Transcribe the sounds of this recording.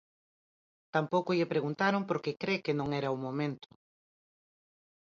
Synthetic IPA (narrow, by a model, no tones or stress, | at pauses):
t̪ampowkʊʎɪpɾeɣunt̪aɾompoɾkekɾekenõŋɛɾɐumomẽnt̪ʊ̥